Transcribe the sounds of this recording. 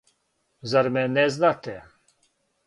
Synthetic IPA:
zaɾmɛnɛznat̪ʰɛ

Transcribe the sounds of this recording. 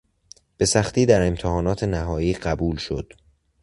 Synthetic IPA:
b̥e̞sæxt̪ʰiːd̪æɾe̞mt̪ʰehɒːnɒːt̪ʰe̞næɦɒːjiːɢæbuːlʃo̞̰d̪̥

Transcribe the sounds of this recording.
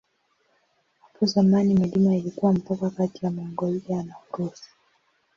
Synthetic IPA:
hapɔzamanimilimailikuwam̩pakakatijamɔŋɡɔlianauɾɔsi̥

